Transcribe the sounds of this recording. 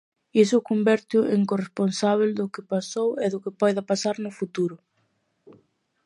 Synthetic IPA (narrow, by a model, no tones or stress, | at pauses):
isʊkombɛɾt̪jʊʔeŋkoresponsaβ̞eld̪ʊkɪpasowɛðʊkɪpɔjðɐpasaɾnʊfut̪uɾʊ